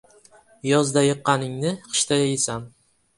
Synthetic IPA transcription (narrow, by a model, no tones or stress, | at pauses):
jɒzd̪ajɨqːɑnɪŋnɪqɨ̥ʃt̪ʰajajɪsam